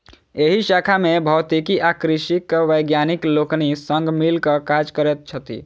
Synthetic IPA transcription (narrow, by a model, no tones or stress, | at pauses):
eɦiʃaːkʰamẽbʱɐːt̪ikiʔakɾɪʃikʋəjɡjaːnɪkloːknisə̃ŋɡmɪlkəkad͡ʒkəɾɛt̪̚t͡ʃʰət̪ḭ